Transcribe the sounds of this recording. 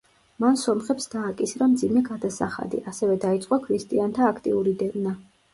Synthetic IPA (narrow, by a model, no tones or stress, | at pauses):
mansɔmχɛpsd̪aːkʼisɾamd̪zimɛɡad̪asa̰χa̰d̪ḭʔasɛvɛd̪ait̪sʼqʼɔkʰɾist̪ʼiant̪ʰaːkʰt̪ʼḭuɾid̪ɛvna